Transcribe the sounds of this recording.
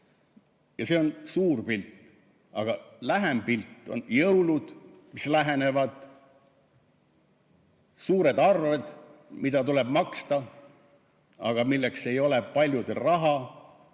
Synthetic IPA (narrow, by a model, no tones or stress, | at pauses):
jɑse̞o̞nsuːrpilt̪ːˑ | ɑ̰ɡ̥ɑlæɦempilt̪ːˑo̞̰njɤwlud̪̥mislæɦe̞ne̞vɑd̪̥ | suːɾe̞d̪ɑrve̞d̪̥mid̪ɑt̪ule̞b̥mɑkst̪ɑ | ɑ̰ɡ̥ɑmilːekse̞jo̞le̞pɑlʲjud̪̥elrɑɦɑ